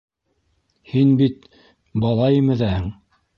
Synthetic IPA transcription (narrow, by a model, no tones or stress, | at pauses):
hinbit̪ | bɑlˠɑjɤmɘ̆ðæhɘŋ